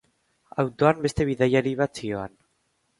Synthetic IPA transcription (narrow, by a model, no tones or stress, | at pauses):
awt̪o̞ambe̞st̪e̞β̞iðajaɾiβat͡sioan